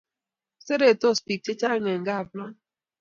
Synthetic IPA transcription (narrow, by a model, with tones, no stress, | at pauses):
se˦ɾe˨to˦˨spi˨k̚t͡ʃe˦t͡ʃa˦ŋe˨ŋ̩˨ɡa˦a˨blɔ˦n